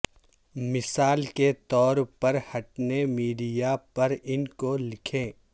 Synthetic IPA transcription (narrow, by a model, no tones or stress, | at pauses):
mɪsaːlket̪ɔːɾpɐɾhɐʈnemiːɖijapɐɾɪnkolɪkʰẽː